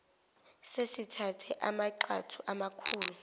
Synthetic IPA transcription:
sesitʰatʰɛʔamaǃatʰuʔamakʰuːlu

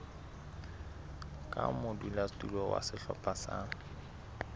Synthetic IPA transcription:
kʼamʊdulatʼulɔwa̰sɪɬɔ̰pʼasa

